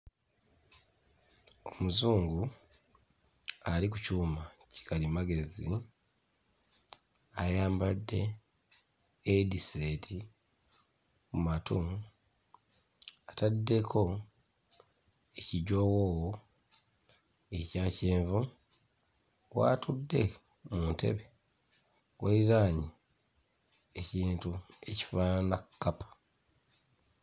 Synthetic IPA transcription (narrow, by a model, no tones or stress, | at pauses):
o̞muzuːŋɡu | alik̬ucuːmaci̥kʰalimaɡe̞zi | ajaːmbadːe̞ | dise̞tʰi | mumatu | atadːe̞kʰo̞ | eciɟo̞ːwoːwo | e̞caːceːɱvu | wa̰ːtudːe̞ | muntʰe̞̰βe̞ | waiɾaːɲi | eciːntue̞ci̥faːnanakːapḁ